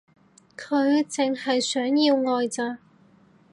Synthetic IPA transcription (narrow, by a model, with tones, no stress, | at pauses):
kʰɵ˨˧ɥt͡sɪ˨ŋhɐ˨jsœː˨˥ŋjiː˧wŋɔː˨jt͡saː˧